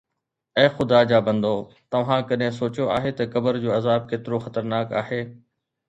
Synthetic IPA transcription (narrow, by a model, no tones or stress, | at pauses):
eːxʊd̪aːd͡ʑaːbɐ̃nd̪oː | t̪ɐʋ̤ãːkɐɗɦẽs̬oːt͡ɕjoaːɦet̪ɐkɐbəɾd͡ʑoːɐzaːb̚keːt̪ɪɾoxɐt̪əɾnaːkaːɦeː